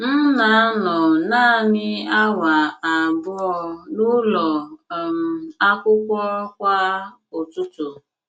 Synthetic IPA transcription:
n̩˦na˨a˦nɔ˨naː˦˨mɪ˦a˦wa˨a˨bʊ˦ɔ˦nu˦lɔ˨m˨a˦kʷʊ˦kʷɔ˦kʷa˦ | o˨tu˦to˨

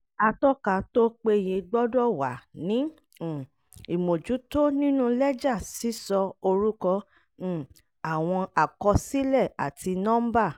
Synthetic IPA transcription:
a˧tɔ˦ka˧to˦k͡pe˧je˧ɡ͡bɔ˦dɔ˦˨wa˨˦nĩ˨˦˨ | i˨mo˨d͡ʒu˨˦to˦nĩ˦nũ˦lɛ˦d͡ʒa˦˨si˨˦sɔ˧o˧ɾu˦kɔ̃˧˨ | a˨w̃ɔ̃˧a˨kɔ˧si˦lɛ˦˨a̰˨ti˧nɔ̃˦m̩˦ba˦˨

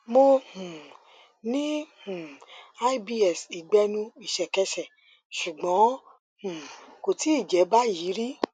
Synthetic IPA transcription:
mo˧hũ˨ | nĩ˦hũ˨a˦bi˧ɛ˨si˨ɡ͡bɛ˨˧nũ˧i˨ʃɛ˨kɛ˧ʃɛ˨ | ʃu˨ɡ͡bɔ̃˨˦ | hũ˨ko˨ti˨˦i˦˨d͡ʒɛ˨˦ba˦ji˨˦ɾi˦

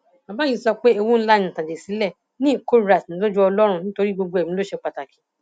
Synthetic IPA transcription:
ã˨˦ba˨˦ji˦sɔ˧k͡pe˦e˧wũ˦n̩˦la˦nĩ˨tã˨de˨si˨˦lɛ˦˨ | nĩ˦˨ko˦˨ɾa˨snĩ˨˦lo˦d͡ʒu˦ɔ˧lɔ˦ɾ̃ũ˧nĩ˦to˧ɾi˦ɡ͡bo˧ɡ͡bo˧ɛ˨ĩ˨˦lo˦ʃe˧k͡pa˨ta˨ki̥˨˦

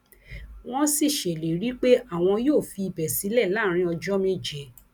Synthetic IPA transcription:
w̃ɔ̃˦si˦˨ʃe˨le˨ɾi˨˦k͡pe˦ʔa˦˨w̃ɔ̃˧joː˦˨fi˧i˧bɛ˨si˨˦lɛ˦˨la˦ɾ̃ĩ˧˦ɔ˧d͡ʒɔ˦mẽ˦d͡ʒe˨˦

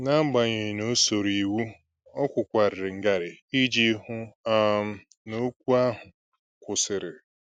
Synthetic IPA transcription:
na˦ɡ͡ba˨ɲe˨no˦so˨ɾi˨wu˦ | ɔ˦kʷʊ˨kʷa˨ɾɪ˨ɾɪ˨ŋ̩˦ɡa˨ɾɪ˨i˦d͡ʒi˦ɦʊ˦a˦m̩˦ | no˦kʷu˦a˦ɦʊ˨ | kʷʊ˨sɪ˨ɾɪ˨ɾɪ˨

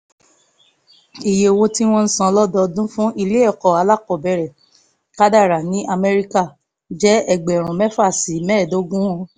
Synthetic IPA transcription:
i˨je˨o˧wo˧˦ti˦w̃ɔ̃˦n̩˦sã˧lɔ˦dɔ˧dũ˦fũ˦ʔi˧le˦ɛ˦˨kɔ˨a˨˦la˦˨kɔ˨bɛ˨ɾɛ˨ | ka˦da˦˨ɾa˨nĩ˨˦ʔa˧mɛ˧ɾi˦ka˦˨ | d͡ʒɛ˦ɛ˦˨ɡ͡bɛ˨ɾ̃ũ˨mɛ˦fa˦˨si˨mɛ̃ː˦˨do˨˦ɡũ˦ɔ̃˧

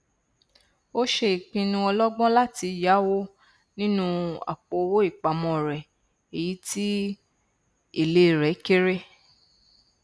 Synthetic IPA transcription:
o˦ʃe˧i˨k͡pĩ˧nũ˧ɔ˧lɔ˦ɡ͡bɔ̃˦la˦ti˧ja˨˦wo˦ | nĩ˦nũ˦˧a̰˨k͡po˨˦˧wo˦i˦˨k͡pa˨mɔ̃˧˨ɾɛ˨ | e˨ji˨˦ti˦ | e˦˨le˦˨ɾɛ˨˦ke˦ɾe˦

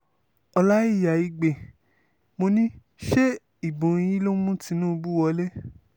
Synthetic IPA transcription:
ɔ˧la˦i˦˨ja˨i˧˨ɡ͡be˨ | mo˧nĩ˦ | ʃe˦ | i˨bũ˨ɾĩ˧jĩ˦lo˦mũ˦tĩ˧˦nũː˦˧bu˦˨wɔ˧le˦

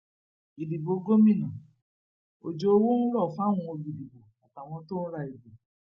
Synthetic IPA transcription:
i˨li˨bo˨ɡo˦mĩ˦˨nã˨ | o̰˨d͡ʒo˧o˦wo˦n̩˦ɾɔ˦˨fa˦˨w̃ɔ̃˧o˧bi˨di˨bo˨a˨ta˨w̃ɔ̃˧to˦ñ̩˦ɾa˧˨i˨bo˨

